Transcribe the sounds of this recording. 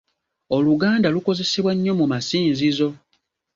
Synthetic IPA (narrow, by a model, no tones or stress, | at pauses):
o̞luɡaːndaluko̞ze̞se̞βwaɲːo̞mumasiːnzizo̞